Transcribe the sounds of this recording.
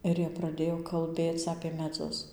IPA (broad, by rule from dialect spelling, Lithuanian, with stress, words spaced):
ˈɪr jiɛ prɐˈdʲeːjoː kɐlʲˈbʲeːt͡s ɐpʲeː mʲɛˈd͡zʊs